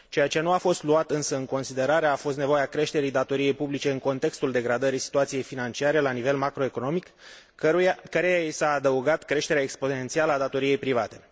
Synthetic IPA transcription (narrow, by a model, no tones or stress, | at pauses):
t͡ʃe̞jat͡ʃe̞nuafo̞st̪luat̪ɨnsəɨŋko̞nsid̪e̞ɾaɾe̞afo̞st̪nevo̞jeakɾe̞ʃt̪e̞ɾijd̪at̪o̞ɾije̞jpublit͡ʃe̞ɨŋko̞nt̪e̞kst̪uld̪e̞ɡɾad̪əɾijsi̥t̪uat̪sije̞jfinant͡ʃiaɾe̞lanive̞lmakɾo̞e̞ko̞nomik | kəɾejaisaːd̪əuɡat̪kɾe̞ʃt̪e̞ɾeaekspo̞ne̞nt̪sialəad̪at̪o̞ɾije̞jpɾivat̪e̞